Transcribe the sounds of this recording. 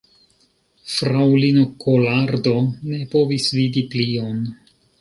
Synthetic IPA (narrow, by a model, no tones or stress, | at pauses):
fɾawlino̞kolaɾdo̞ne̞po̞visvidiplio̞n